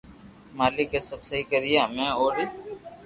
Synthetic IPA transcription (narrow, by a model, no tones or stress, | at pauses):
maːlɪkeːsəbsəɦiːkəɾɪjaːmɛ̃ːoːɾ